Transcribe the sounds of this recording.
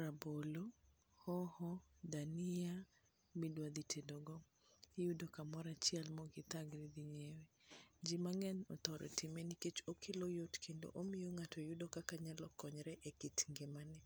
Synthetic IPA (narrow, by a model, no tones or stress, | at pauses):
ɾabolo | hɔhɔdanɪa | midwad̪itʰedoɡɔ | judokamɔɾat͡ʃɪɛlmɔɡɪt̪aɡɾid̪iɲewed͡ʒimaŋɛnɔt̪ɔɾɔ̰tɪmeniket͡ʃokʰelojotkʰendo̰ʔomɪjoŋatɔjudokakaɲalɔkɔɲɾɛʔekitŋɡemanɛ